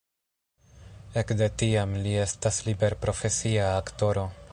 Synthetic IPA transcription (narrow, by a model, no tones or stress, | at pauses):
e̞kde̞tiamlie̞staslibe̞ɾpɾo̞fe̞siaːkto̞ɾo̞